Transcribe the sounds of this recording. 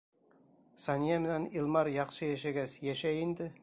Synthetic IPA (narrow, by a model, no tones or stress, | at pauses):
sɑnʲijamĕnænilˠmɑɾjɑqʃɤjæʃæɡæsjæʃæjɪnd̪ɪ